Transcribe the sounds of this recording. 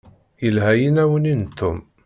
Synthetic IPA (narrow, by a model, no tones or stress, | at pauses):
əlɦæjinæwənint̪ʰːʊm